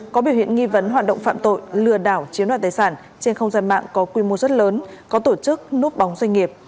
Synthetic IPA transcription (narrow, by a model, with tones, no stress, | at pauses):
kɔ˨˦ɓi˧˩wḭ˧˨ənŋi˧və˨˦nɦwaː˨˩t̚ɗə̰˧˨wŋ͡mfa̰ː˧˨mt̪o̰˧˨jlɨ˨˧˩əɗaː˧˩wt͡ɕi˨˦ənwa˧˨t̪aː˨˦jsaː˧˩n | t͡ɕe˧nxə˧wŋ͡mzaː˧nma̰ː˧˨ŋkɔ˨˦kwi˧mo˧zə˦˥t̚ləː˨˦nkɔ˨˦t̪o˧˩t͡ɕɨ˦˥k̚nu˦˥t̚ɓa˨˦wŋ͡mzwa˧ŋ̟ŋi˨˩əp̚